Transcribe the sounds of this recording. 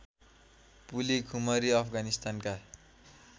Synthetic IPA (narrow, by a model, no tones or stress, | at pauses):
pulikʰumʌɾiʌpʰɡanist̪anka